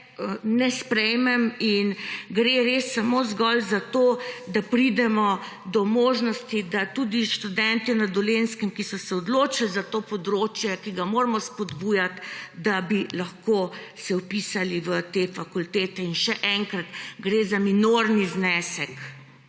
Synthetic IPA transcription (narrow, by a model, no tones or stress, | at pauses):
ənɛspɾɛjmɛminɡɾeɾesːamozɡɔlzat̪oːd̪apɾid̪ɛmɔ | d̪ɔmoːʒnɔst̪id̪at̪ud̪iʃt̪ud̪ɛnt̪inad̪ɔlenskɛmkisɔsɛɔd̪loːt͡ʃalzat̪oːpɔd̪ɾoːt͡ʃjɛkiɡamoːɾmɔspɔd̪buːjat̪d̪abilaxkoː | sɛwpiːsaliʋət̪efakult̪eːt̪ɛinʃɛʔɛŋkɾat̪ɡɾezaminoɾniznɛːsɛk